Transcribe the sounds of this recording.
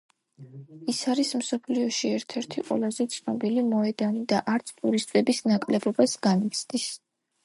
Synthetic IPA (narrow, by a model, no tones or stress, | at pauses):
isaɾismsɔpʰliɔʃiɛɾt̪ʰɛɾt̪ʰiqʼwɛ̰lˠazɛt̪sʰnɔbilimɔɛd̪anid̪aʔaɾt̪sʰt̪ʼuɾist̪ʼɛbisnakʼlɛbɔbasɡanit̪sʰd̪is